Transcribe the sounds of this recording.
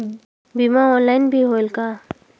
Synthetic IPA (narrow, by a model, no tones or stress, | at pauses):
bimãɔːnlaːɪnbʱiɦoːlka